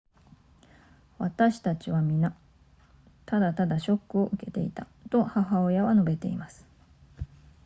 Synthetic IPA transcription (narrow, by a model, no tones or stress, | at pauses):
βat̪aɕi̥t̪at͡ɕiβamʲina | t̪ad̪at̪ad̪aɕo̞kːɯ̟o̞ʔɯ̟ke̞t̪e̞̰ḭt̪a | t̪o̞haɦao̞jaβano̞be̞t̪e̞̰ḭmasɨ̥